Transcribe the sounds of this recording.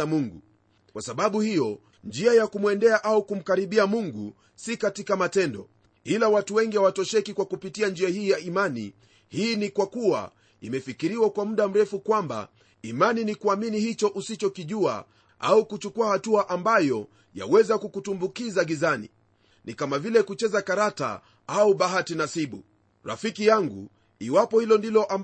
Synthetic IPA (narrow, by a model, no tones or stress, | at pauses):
amuŋɡṵ | kwasaɓaɓuhijɔ | nd͡ʒiajakumwɛndɛaʔaukum̩kaɾiɓiamuŋɡu | sikatikamatɛndɔ | ilawatuwɛŋɡiawatɔʃɛkikwakupitiand͡ʒiahiːjaimanḭ | hiːnikwakua̰ | imɛfikiɾiwakwam̩ɗam̩ɾɛfukwamba̰ | imaninikuaminihit͡ʃɔʔusit͡ʃɔkiʄua̰ | ʔaukut͡ʃukuahatuaʔambajɔ | ja̰wɛzakukutumbukizaɡizanḭ | nikamavilɛkut͡ʃɛzakaɾata̰ | auɓaɦatinasiɓṵ | ɾa̰fikijaŋɡṵ | iwapɔhilɔndilɔʔa